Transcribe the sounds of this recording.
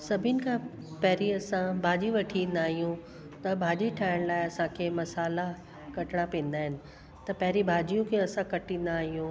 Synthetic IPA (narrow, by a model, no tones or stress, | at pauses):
sɐbʱɪnɪ̆kʰã | pɛɦɾiɐsãbʱaːd͡ʑiʋɐʈʰĩnd̪aːɦijũ | t̪ɐbʱaːd͡ʑiʈʰaːɪɽ̃laːɪɐsãkʰemɐsaːla | kɐʈɪɽ̃apẽːn̆d̪aːɦɪnɪ̆ | t̪ɐpɐɦɾibʱaːd͡ʑijũkʰeɐsãkɐʈĩːn̆d̪aːɦijũ